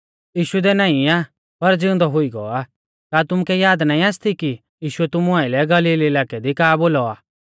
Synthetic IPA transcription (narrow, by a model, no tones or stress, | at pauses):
jiːʃud̪ɛnaːĩaː | pɐɾd͡zɪ̃ʊ̃nd̪ɔɦʊiɡɔa | kaːt̪ʊmkɛjaːd̪naːĩaːst̪ʰiki | jiːʃʊɛt̪ʊmuaːɪlɛɡɐliːlelaːkɛd̪ikaːboːlɔaː